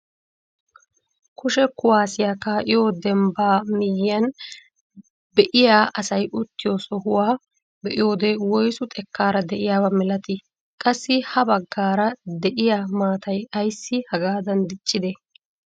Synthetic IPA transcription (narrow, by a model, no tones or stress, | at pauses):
kʊʃɛkʊwaːsɪjaːkaːʔɪjo̞ːd̪ɛmbaːmɪjɪɐn | bɛʔɪjaːʔɐsɐjʔʊt̪ːɪjoːsɔhʊwaː | bɛʔɪjo̞ːd̪ewɔjsʊt̪ʼɛkːaːɾɐd̪ɛʔɪjaːbɐmɛlɐt̪ɪ | kʼɐsːɪhɐbɐɡːaːɾɐd̪ɛʔɪjaːmaːt̪ɐjɐjsːɪhɐɡaːd̪ɐnd̪ɪt͡ʃʼːɪd̪ɛ